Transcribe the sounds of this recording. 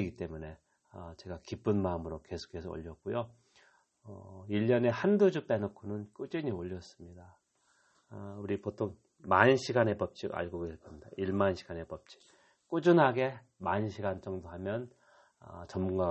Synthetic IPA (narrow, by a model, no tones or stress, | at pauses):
ɡit͈e̞mune̞ | ʌt͡ɕe̞ɡakip͈ɯnmaɯmɯɾoke̞sʰo̥kʰe̞sʰʌo̰ʎːʌk̚k͈ujo | ʌiʎːʌne̞handud͡ʑup͈enokʰonɯnk͈ud͡ʑiɲioʎːʌs͈ɯ̥mɲida | uɾipotʰoŋ | maɲɯnɕʰiɡane̞pʌp̚t͡ɕ͈iɡa̰ɭɡoɡesʰeɭk͈ʰʌmɲida̰iɭmanɕʰi̥ɡ̥ane̞pʌp̚t͡ɕ͈i̥k̚ | k͈ud͡ʑunɦaɡe̞ | manɯnɕʰiɡant͡ɕ͈ʌŋdoɦamjʌn | ʌ̰t͡ɕʌmːuŋɡa